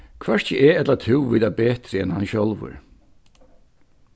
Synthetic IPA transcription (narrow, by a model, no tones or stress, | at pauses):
kʰvɛɹcəʔɛɛt̪lat̪ʰɪwviːðabeːt̪ɾɪɛnhanɕɔlʋə̰ɹ